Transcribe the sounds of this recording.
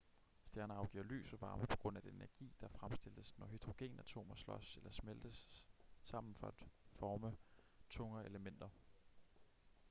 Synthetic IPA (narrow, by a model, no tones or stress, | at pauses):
sd̥jæɐnəɑ̈ʊɡ̥ḭɐ̰ly̰ːsɒʋɑ̈ːməpʰɒ̥̽ɡ̥ʁɔ̽n̰æd̥enenæɐɡ̥ḭːd̥ɑ̈fʁamsd̥e̝l̰̥əsnɒɦyd̥ʁo̝ɡ̥e̝̰ːnæt͡sʰo̝̰ːmɐslɒ̽selɐsmeld̥əsː | ɑ̈m̰n̩fɒ̽æd̥fɒːmə | t͡sʰɔ̽ŋɐeləmen̰d̥ɐ